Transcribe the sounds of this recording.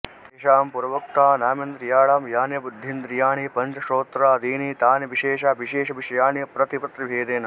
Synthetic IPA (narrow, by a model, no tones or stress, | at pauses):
eʃaːmpuɾɐʋɐkt̪aːnaːmɐnd̪ɾijaːɭaːmjaːnjɐbud̪ʱːind̪ɾijaːɳipɐnt͡ʃɐʂoːt̪ɾaːd̪iːnit̪aːnɐʋiʃeːʃaːʋiʃeːʃɐʋiʂɐjaːɳipɾɐt̪ipɐt̪ɾibʱeːd̪eːnɐ